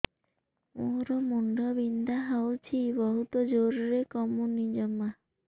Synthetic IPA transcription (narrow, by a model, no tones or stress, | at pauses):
moɾɔmuɳɖɔbind̪ʱaɦawt͡ʃʰibɔɦut̪ɔd͡ʒoɾuɾekɔmunid͡ʒɔma